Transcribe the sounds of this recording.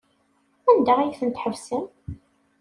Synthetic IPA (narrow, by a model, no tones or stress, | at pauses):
ænd̪æʁæjθənt̪ħəvsən